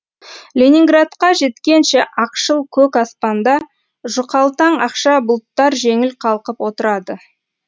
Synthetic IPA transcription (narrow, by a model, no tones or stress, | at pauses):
lʲenʲiŋɡrat̪qɑʒe̞t̪kʲe̞nʃeʔɑqʃəlˠkʲʰɵkɑspɑnd̪ɑ | ʒʊqɑlˠt̪ɑɴɑqʃɑbʊlˠt̪ːɑɾʒe̞ŋɪlqʰɑlˠqəpwo̞t̪əɾɑd̪ə